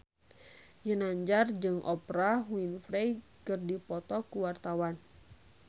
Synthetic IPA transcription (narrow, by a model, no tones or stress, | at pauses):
jənaɲd͡ʒard͡ʒɨŋʔɔpɾaɦwinfɾɛkɨrdipɔt̪ɔkuwart̪awan